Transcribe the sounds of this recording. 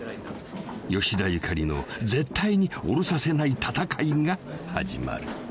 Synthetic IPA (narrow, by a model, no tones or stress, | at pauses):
jo̞ɕid̪ajɯkʰaɾʲino̞̰d͡ze̞t̪ːaiɲ̟io̞̰ɾo̞sase̞nait̪ʰat̪akaiɡaha̰d͡ʑḭma̰ɾɯ̟